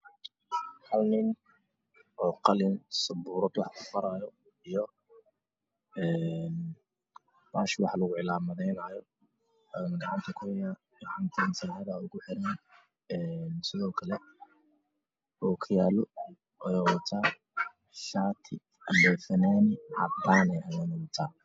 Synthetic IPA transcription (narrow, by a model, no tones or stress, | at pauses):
hɐlnɪn | ʔɔːqɑlɪnsɐbuːɾɔd̪wɑħkʰʊfɐɾaːjɔ | ijɔ | ɛːn | baːʃwɑħlɐɣʊʕɪlaːmɐðɛjnajɔ | nɡɑʕɑnt̪ʰɐkʰʊhɛja | ɡɐʕɑnt̪ʰɐnsɐħɑðɐʊɣʊħɪɾɛn | ɛːnsɪðɔːkʰɐlɛ | ɔːkʰʊjaːlɔ | ʔɔjɛwɐt̪ʰaː | ʃaːt̪ʰɪ | ɐmbɛːfɐnanʕɑ̰t̪ːaːnɛːʔɐjɛnɐwt̪ʰaː